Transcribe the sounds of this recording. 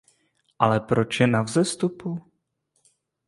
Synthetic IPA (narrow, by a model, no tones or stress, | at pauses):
ʔalɛpɾot͡ʃjɛnavzɛst̪upu